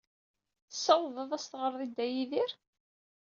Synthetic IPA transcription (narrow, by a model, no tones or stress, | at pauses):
θəsːɑwðˤəðˤæst̪ʁəɾˤðˤid̪ːæjiðiɾ